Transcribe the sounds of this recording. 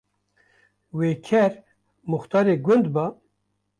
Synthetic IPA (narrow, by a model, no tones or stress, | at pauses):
weːkʰɛɾ | mʊxt̪ɑːɾeːɡʊnd̪bɑː